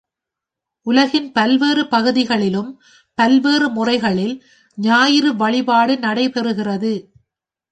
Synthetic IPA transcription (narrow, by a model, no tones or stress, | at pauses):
ʔʊlɐɣɪnpɐlʋeːrɯpɐɣɯðɪɣɐɭɪlɯm | pɐlʋeːrɯmʊrɐɪɣɐɭɪl | ɲaːjɪɾɯʋɐɭɪbaːɽɯnɐɽɐɪpɛɾɯɣɪrɐðɯ